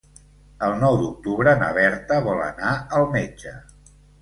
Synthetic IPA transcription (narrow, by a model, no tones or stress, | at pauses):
əlˠnɔwd̪uk̚t̪uβɾənə̰βɛɾt̪əβɔlə̰naəlˠmɛd͡ʒə